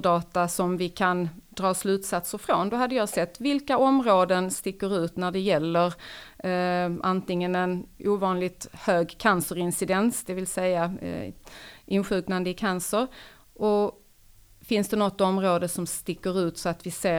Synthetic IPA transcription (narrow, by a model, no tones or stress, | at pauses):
dɑːt̪asɔmvɪkʰand̪ɾɑːslʉ̟ːt̪sat̪səɾfɾond̪ɔɦad̪ːəjɑːsɛt̪ːvɪlkaɔmɾoːd̪ənst̪ɪkːəɾʉ̟ːt̪næɖɛjɛlːəɾ | ʔant̪ɪŋːənɛnʔuːvɑːnlɪt̪høːɡkʰansəɾɪnsɪd̪ɛnsd̪ɛvɪlsɛjːa | ʔɪnɧʉ̟ːknand̪əɪkʰansəɾ | ʔɔ | fɪnsd̪ɛnɔt̪ːɔmɾoːd̪əsɔmst̪ɪkːəɾʉ̟ːt̪sɔat̪vɪseː